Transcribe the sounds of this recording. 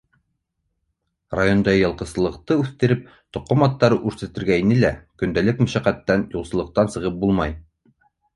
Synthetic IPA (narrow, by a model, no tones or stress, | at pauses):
rajond̪ɑjɤ̆lˠqɤ̆sɤ̆lˠɤ̆qt̪ɤʉθt̪ɘ̆ɾɘp̚ | t̪ŏqːomɑt̪ːɑɾɤʔʉɾsæ̆t̪ɘ̆ɾɡæinɘlækɵ̆nd̪ælɘkmɵʃæqæt̪ːænjulˠsɤ̆lˠɤ̆q̚t̪ɑnsɤ̆ʁɤp̚bulˠmɑj